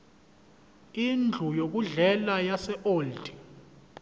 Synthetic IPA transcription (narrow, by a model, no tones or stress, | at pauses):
ind͡ɮʱujok̬uɮɛlajasɛʔoːldi̥